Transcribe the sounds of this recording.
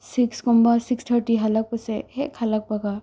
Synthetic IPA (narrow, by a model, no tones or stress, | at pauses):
sɪkskɔ̃mbasɪksʈ̪ʰəɾʈiɦɐlək̚pəseɦekhɐlək̚pɐɡa